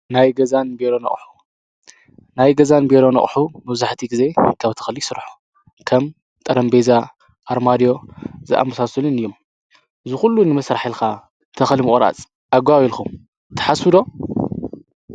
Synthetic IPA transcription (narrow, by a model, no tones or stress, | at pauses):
najɡɐzanbeɾonɐ̰χʼħu̥ | najɡɐzanbeɾo̞nɐ̰ħumɐβzaħt̪ʰiɡize̞kʰaβt̪ʰɐ̥xlisɨɾħu̥ | kʰɐm | t̪ʼɐɾɐmbeza | ʔaɾmad̪ijo̞zɨʔa̰mɐsasɐlɨnɨjːom | ʔɨzɨxulːunɨmɐsɾaħilka | t̪ʰɐxlimɨkʼɾa̰t͡sʼ | ʔaɡʷaβilxum | t̪ʰɨ̥ħasɨd̪o̞